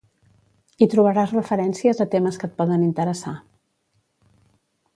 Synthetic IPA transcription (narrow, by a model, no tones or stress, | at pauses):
it̪ɾuβəɾazrəfəɾɛnsiəzət̪eməskət̪̚pɔðənint̪əɾəsa